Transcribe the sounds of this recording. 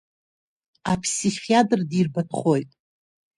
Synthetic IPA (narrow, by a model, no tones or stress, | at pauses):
apʰsiχʲiatʼrdirbatʰχojtʼ